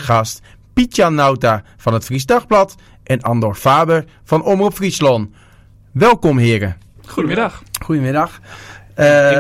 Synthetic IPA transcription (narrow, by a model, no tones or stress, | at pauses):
xɑst | pitjanːawta | fɑnətfrisdaxblɑt | ʔɛnɑndɔrfaːbər | fɑnɔmrupfrislɔn | ʋɛlˠkɔmɦɪːərə̰ | uɪxxujəmɪdɑx